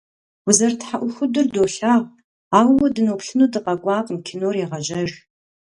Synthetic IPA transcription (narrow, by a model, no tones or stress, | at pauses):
wʊzɐrtħaʔʷʊxʷʊdɨrdoːɬaːʁ | aːwwɐdɨnoːpɬɨnuːdɨqɐɡʷɑːqmkʰɪnoːriʁɐʒɐʒ